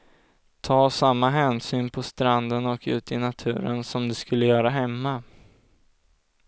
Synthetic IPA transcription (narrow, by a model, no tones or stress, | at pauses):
t̪ʰɑːsamːaɦɛːnsyːnpʰɔst̪ɾand̪ənɔkʉ̟̰ːt̪ɪnat̪ʰʉ̟̰ːɾənsɔmd̪ɵskɵlːəjœːɾaɦɛmːa